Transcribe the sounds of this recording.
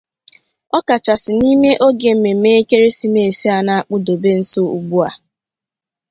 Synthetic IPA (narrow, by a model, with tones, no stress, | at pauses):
ɔ˦ka˨t͡ʃa˨sɪ˨ni˦me˦ʔo˦ɡe˨m̩˦me˨me˦e˦ke˦ɾe˦si˦me˦˨e˨si˦a˨na˦a˨k͡pʊ˦do˨be˦n̩˦so˦ṵ˨ɡ͡bu˦a˨